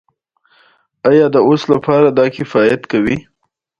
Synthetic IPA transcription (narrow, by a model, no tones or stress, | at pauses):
ajɑd̪əoslapɑɾad̪ɑkɪfɑjat̪kawi